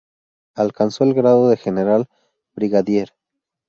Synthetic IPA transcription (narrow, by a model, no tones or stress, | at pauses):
alkanso̞elɣɾaðo̞ðe̞xe̞ne̞ɾal | bɾiɣaðje̞ɾ